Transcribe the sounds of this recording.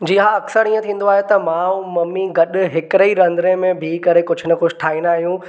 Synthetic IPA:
d͡ʑiːɦaɐksəɾĩːə̃t̪ʰĩːn̆d̪oaːɦet̪ɐmãːũmɐmːiɡɐɗɦɪkɪɾɐiɾɐ̃nd̪ɾẽmẽbʱɪkɐɾekʊd͡ʑʱʊnɐxʊd͡ʑʱɪʈʰaːĩnaːɦijũː

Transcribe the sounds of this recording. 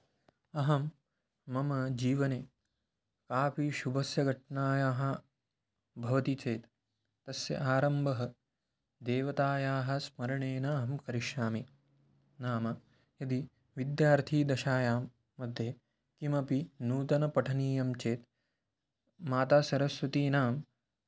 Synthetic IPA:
ɐɦɐmː | ɐmɐd͡ʒiːʋɐneː | kaːpiʃubʱɐsjɐɡʱɐʈɳaːjaːɦɐ̆ | bʱɐʋɐt̪it͡ʃeːt̪ː | ɐsjɐ̰ʔaːɾɐmbʱɐɦɐ | d̪eːʋɐt̪aːjaːɦɐ̆smɐɾɐɳeːnɐɦɐmkɐɾiʃaːmi | naːmɐ | jɐd̪i | ʋid̪jaːɾt̪ʰiːd̪ɐʃaːjaːmː | ɐd̪ʱːjeː | kimɐpinuːt̪ɐnɐpɐʈʰɐniːjɐmt͡ʃeːt̪ | maːt̪aːsɐɾɐsʋɐt̪iːnaːm

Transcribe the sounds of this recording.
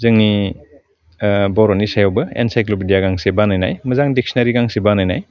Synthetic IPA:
zɯŋni | bɔɾɔnisajɔwbɯḛnsajklopidijaɡaŋsebanajna̰jmɐzaŋdik̚sinɐɾiɡaŋsebanajna̰j

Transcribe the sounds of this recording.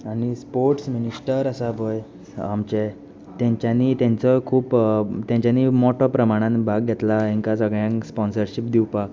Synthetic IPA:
aɽ̃ispoɾʈsminisʈəɾəsabʱoj | amt͡ɕe | t̪jãɲt͡ɕjaniːt̪jãɲt͡sɔkʰuːpt̪jãɲt͡ɕjanimɔʈɔpɾəmaɽ̃ãnbʱaɡɡʱɛt̪laĩŋkasəɡɭjãŋkspɔnsəɾɕipd̪iwpak

